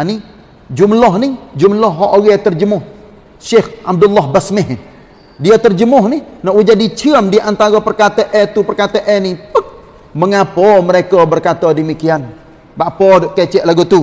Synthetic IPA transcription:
ani | d͡ʒumlɔɦnid͡ʒumlɔɦːɔʔoɣɛt̪ərd͡ʒəmʊh | ʃexab̚dulːɔhbasmɪɦ | diat̪ərd͡ʒəmʊhninɔʔwud͡ʒadit͡ʃiəmdiʔant̪aɾɔpərkat̪eʔɛt̪upərkat̪eʔɛnipək̚ | məŋapɔməɾekɔbərkat̪ɔdəmikian | baʔpɔdʔket͡ʃɛʔlaɡut̪u

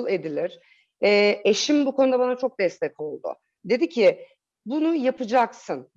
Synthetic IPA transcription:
lˠe̞d̪ilʲiɾ̥ | ɛːe̞ʃimbukʰo̞nud̪abanat͡ʃʰo̞k̚d̪ɛst̪ʰɛko̞lˠd̪ʊ̰ | d̪e̞d̪icʰɪ | bunujapɯd͡ʒaksɯn

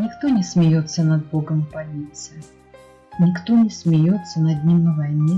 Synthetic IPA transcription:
nʲɪkt̪onʲɪsmʲɪjo̞t̪sːənɐd̪̚boɡəmpɐlʲit̪sɨjɪ | nʲɪkt̪onʲɪsmʲɪjo̞t̪sːənɐd̪ʲnʲimɨvɐjnʲe

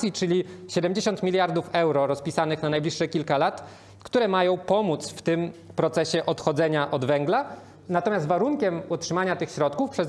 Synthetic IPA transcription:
jit͡ʂɘlʲiɕɛd̪ɛmd͡ʑeɕɔnt̪mʲilʲjaɾd̪ufɛwɾɔɾɔspʲisanɘxnanajblʲiʂːɛkʲilkalat̪ | kt̪uɾɛmajɔ̃w̃pɔmut̪sft̪ɘmpɾɔt̪sɛɕɛʔɔt̪xɔd̪zɛɲaʔɔd̪vɛŋɡla | nat̪ɔmʲjast̪vaɾuŋkʲɛmɔtʂɘmaɲat̪ɘxɕɾɔt̪̚kufpʂɛz

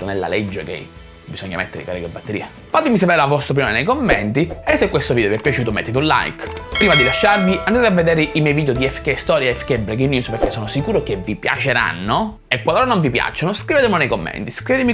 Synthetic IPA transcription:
onelːa̰led͡ʒːekḛ | bisoɲːa̰mḛt̪ːeɾikaɾeɡebːat̪ːeɾiːa | fat̪emisapeːɾelavɔst̪ɾop̬inonenejkomːɛ̰nt̪iɛsːekːwest̪ovid̪oviɛpːjat͡ʃuːt̪omḛt̪ːet̪ũnla̰jkpɾiːmad̪ilaʃːarviʔand̪at̪eavːed̪eːɾeʔimjɛjviːd̪jod̪iɛfkest̪ɔːɾjaɛfkebɾɛkinːjuːspeɾk̟ːesːoːnosikuːɾok̟evːipja̰t͡ʃeɾa̰nːo | ekwaloːɾanoɱvipja̰t͡ʃːonoskɾiveːt̪emonejkomːɛ̰nt̪iskɾivet̪emi

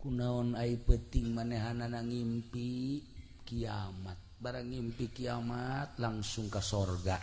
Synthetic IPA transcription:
kunaɔnaipət̪iŋmaneɦananaŋimpi | kiamat̪̚baɾaŋːimpikiamat̪̚laŋsuŋkasɔrɡa

